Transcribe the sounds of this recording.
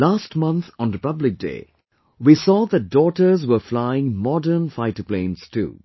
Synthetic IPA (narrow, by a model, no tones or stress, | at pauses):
laːsʈmʌ̃nθɔ̃nɾɪpʌblɪk̚dḛː | wiːsɔːðæt̚dɔːʈəɾzwəflaɪɪ̃ŋmɔdə˞nfaɪtəplẽːnstʰṵː